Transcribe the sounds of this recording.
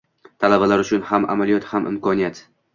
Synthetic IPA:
t̪ʰalabalaɾʊt͡ʃʰʊnhamʔa̰malijɒt̪hamʔɪ̰mkʰɒnijat̪

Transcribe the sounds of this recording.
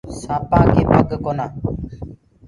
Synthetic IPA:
sãːpãːkeːpəɡkoːnaː

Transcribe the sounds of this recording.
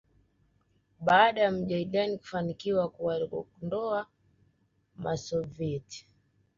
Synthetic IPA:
ɓaːɗajam̩ʄaiɗaniku̥fanikiwakuwaɔndɔa | masɔviɛti̥

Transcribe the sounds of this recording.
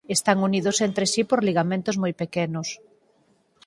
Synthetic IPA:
est̪aŋuniðʊsent̪ɾesipoɾliɣamẽnt̪ozmojpekɛnʊs

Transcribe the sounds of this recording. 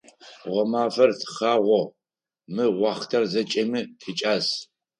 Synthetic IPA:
ʁʷɔmaːfɐrtʰχaːʁʷɔ | mɨʁʷɑːχtʰɐrzɐt͡ʃʼɐmɨtʰit͡ʃʼaːs

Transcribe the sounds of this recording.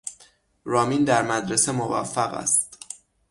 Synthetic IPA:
ɾɒːmind̪æɾmæd̪ɾesemovæ̰fːæɣæ̰st̪

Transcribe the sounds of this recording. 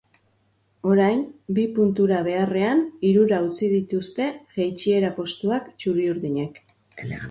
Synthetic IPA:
o̞ɾajnbipunt̪uɾaβ̞e̞are̞aniɾuɾaut͡sið̞it̪ust̪e̞ʝejt͡ʃie̞ɾapo̞st̪uakt͡ʃuɾiuɾðiɲek

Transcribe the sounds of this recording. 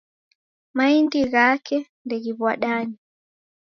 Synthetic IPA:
maindiɣakʰɛ | ndɛɣiβwaɗaɲi

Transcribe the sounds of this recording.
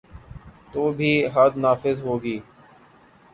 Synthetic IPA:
t̪oːbʱiːɦaːd̪naːfɪzɦoːɡiː

